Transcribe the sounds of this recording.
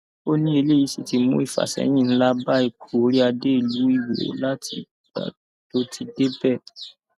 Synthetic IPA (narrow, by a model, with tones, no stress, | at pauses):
o˦nĩ˦e˧le˦˨i˨˧˦si˨ti˧˦mṵ̃˦i˦˨fa̰˨sɛ̰˨˦j̃ĩ˦˨ñ̩˦la˦ba˦e˧kʰu˨o˦ɾi˦a˧de˦i˦˨lu˨˦i˦˨wḛ˨˦la˦tʰḭ˧ | a̰˨ | to˦ti˧de˦bɛ˦˨